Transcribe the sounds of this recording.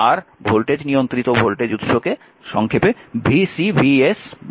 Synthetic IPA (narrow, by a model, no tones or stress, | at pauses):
aɾbʱolʈed͡ʑnijont̪ɾit̪obʱolʈed͡ʑut̪ʃoke | ʃɔŋkʰepebisibʱies